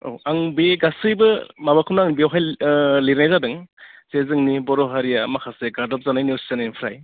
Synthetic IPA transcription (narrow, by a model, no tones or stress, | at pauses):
o̰waŋbeɡasɯjbɯmabakʰɯumnaŋbewɦajliɾnajzadɯŋsezɯŋnibɔɾɔɦaɾijamakʰaseɡadɔp̚zanajniosi̥zanajpʰɾaj